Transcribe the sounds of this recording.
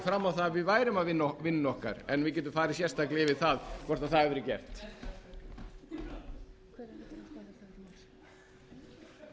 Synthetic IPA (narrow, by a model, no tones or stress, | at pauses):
fɾamːawθavɪðvaːjɾɪmavɪnɔvɪnːɔhka̰ɾɛnvɪc̬ɛːt̪ʏmfaːɾɪsjɛst̪ahklɪɪvɪðθaðkʰvɔɾ̥t̪aθaðɛvɾɪcɛ̰r̥t̪ | kʰvɛa